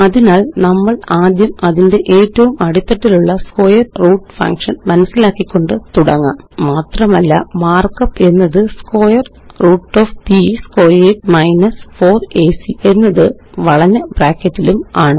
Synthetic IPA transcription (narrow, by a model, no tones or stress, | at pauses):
ɐðinaːlnɐmːɐɭaːd̪jɐmɐðinde̞ʔe̞ːtːɐʋumɐɽut̪ːɐʈːiluɭːɐsko̞ːjɐrruːʈːfɐ̰ŋkʂɐnmɐnɐsːilaːkːikʲːo̞ɳɖɨt̪uɽɐŋːa̰ːmmaːt̪rɐmɐlːɐ̰maːrkɐpːe̞nːɐðɨsko̞ːjɐr | ruːʈːoːfpisko̞ːjeːʈmɐjnɐsfo̞ːreːsie̞nːɐðɨ | ʋɐɭɐɲːɐb̥raːkːɐtːilumaːɳɨ